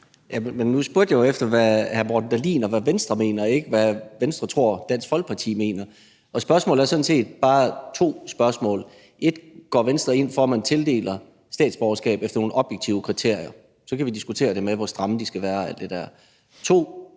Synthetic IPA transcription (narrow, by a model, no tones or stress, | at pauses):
jæmmenːusb̥uɐd̥jɑjoefd̥ɐʋæhæɐmɒːd̥n̩d̥ælḭːnɒʋæʋensd̥ʁɐme̝̰ːnɐe̝ɡ̥əʋæʋensd̥ʁɐt͡sʰʁo̝ɐ̰d̥æn̰sfɒ̽lɡ̥̚pʰɑ̈t͡sʰḭːme̝̰ːnɐ | ʔɒ̽sb̥ɶɐsmɔ̰̽ːlæɐsɒ̽d̥n̩se̝̰ːd̥̚b̥ɑ̈ːt͡sʰo̝̰ːsb̥ɶɐsmɔ̰̽ːl | ʔe̝d̥ɡ̥ɒ̰ːʋensd̥ʁɐe̝n̰fɒmænt͡sʰe̝ld̥e̝̰ːlɐ | sd̥ɛ̰ːd̥sb̥ɒʊɐsɡ̥ɛ̰ːb̥efd̥ɐno̝ːn̩ʔɒ̽b̥jeɡ̥̚t͡sʰiʊəkʰʁit͡sʰe̝ɐ̰ijɐ | sɒ̽kʰæʋid̥isɡ̥ut͡sʰe̝̰ːɐɾ̥e̝meʋɒsd̥ʁɑ̈məd̥isɡ̥æʋæːɐæl̰d̥e̝d̥æɐ̰ | t͡sʰo̝̰ː